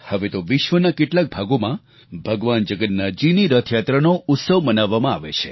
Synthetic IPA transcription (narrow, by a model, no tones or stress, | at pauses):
həʋet̪oʋɪʃʋənakeʈlak̚bʱaɡomã | bʱəɡʋand͡ʒəɡət̪nad͡ʒiniɾət̪ʰjat̪ɾənout̪səʋmənaʋːamãaʋḛt͡ʃʰe